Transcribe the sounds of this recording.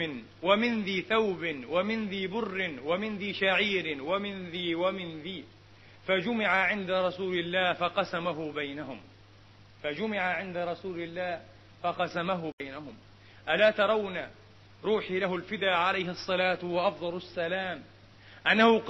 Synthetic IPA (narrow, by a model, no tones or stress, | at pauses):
ɪn | wamɪnðiːθawbɪnwamɪnðiːbʊrːɪnwamɪnðiːʃaʕiːɾɪwamɪnðiːwamɪnðiː | fad͡ʒʊmɪʕaʕɪnd̪aɾˤɑsuːlɪlːaːhfɑqɑsamaɦʊbajnahʊm | fad͡ʒʊmɪʕaʕɪnd̪aɾˤɑsuːlɪlːaːh | fɑqɑsamaɦʊbajnaɦʊm | ʔalaːt̪ɑɾˤɑwna | ɾˤuːħilaɦʊlfɪd̪aːʕalajhɪʔɑsˤːɑlaːt̪waʔɑfd̪ˤɑlasːalaːm | ʔanːahʊ